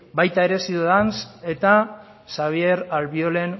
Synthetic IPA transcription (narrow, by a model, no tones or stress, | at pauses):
bajt̪ae̞ɾe̞sioðanse̞t̪a | saβ̞ie̞ɾalβio̞le̞n